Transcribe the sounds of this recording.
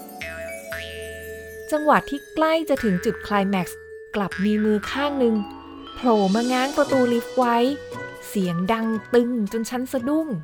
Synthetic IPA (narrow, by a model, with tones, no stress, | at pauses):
t͡ɕa˧ŋwa˨˩t̪ʰːiː˥˩kla˥˩jt͡ɕa˨˩t̪ʰɯ˩˦ŋt͡ɕu˨˩t̪̚kʰlaː˧jmɛ˨˩k̚s | kla˨˩p̚miː˧mɯː˧kʰaː˥˩ŋnɯ˧ŋ | pʰloː˨˩maː˧ŋaː˦˥ŋpɾa˧t̪uː˧li˦˥f̚wa˦˥j | si˩˦əŋda˧ŋt̪ɯ˧ŋt͡ɕo˧nt͡ɕʰa˦˥nsa˧du˥˩ŋ